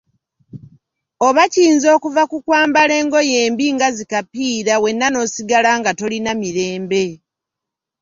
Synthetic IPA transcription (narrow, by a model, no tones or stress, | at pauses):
o̞βaciːnzo̞ːkuvakukwaːmbale̞ːŋɡo̞je̞ːmbiŋɡazikapiːɾawe̞nːano̞siɡalaŋɡato̞linamiɾe̞ːmbe̞